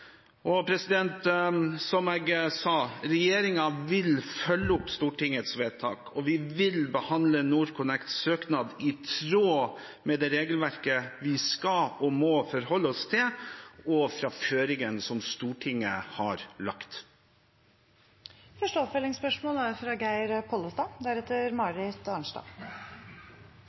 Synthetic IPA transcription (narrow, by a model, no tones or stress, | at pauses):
ʔɔpʰɾɛsɪd̪ɛnt̪sɔmeːɡsɑːɾɛjeːɾɪŋɑʋɪlfœlːəʊpst̪uːʈɪŋət̪sʋeːt̪ʰɑ̰ːkʰɔʋɪʋɪlbəhɑnd̪lənuːɾkʰʊnɛkt̪søːknɑːd̪ɪt̪ʰɾoː | mɛd̪ɛɾeːɡəlʋæɾkəʋɪskɑɔmɔfɔɾhɔlːəɔst̪ʰɪlɔfɾɑføːɾɪŋənsɔmst̪uːʈʰɪŋːəhɑɾlɑkt̪ | fœʂʈəɔpfœlɪŋspœʂmoːləæɾfɾɑːɡæɪɾpʰoːləst̪ɑd̪æɾɛt̪ːəɾmɑːɾɪt̪ɑɳʂʈɑ̰ː